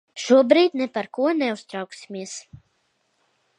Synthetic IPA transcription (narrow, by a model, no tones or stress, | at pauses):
ʃuɔbɾiːt̪̚ʲnɛpaɾkuɔnɛust̪ɾawksi̥miɛs